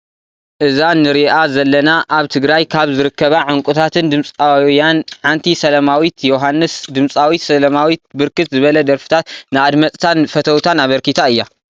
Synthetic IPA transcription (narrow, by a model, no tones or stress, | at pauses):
ʔɨzanɨɾiʔazɐlːɐnaʔaβt̪ʰɨɡɾajkʰaβzɨɾɨkːɐβaʕɨŋkʼut̪ʰat̪ʰɨnd̪ɨmsʼajanħant̪ʰisɐlɐmawit̪ʰjoɦanːɨsd̪ɨmsʼawit̪sɐlɐmawit̪̚bɨɾkʰɨt̪zɨβɐlɐd̪ɐɾfɨ̥t̪ʰat̪nɨad̪mɐt͡sʼt̪ʰanfɐt̪ʰɐwt̪ʰanaβɐɾkit̪ʰaɨjːa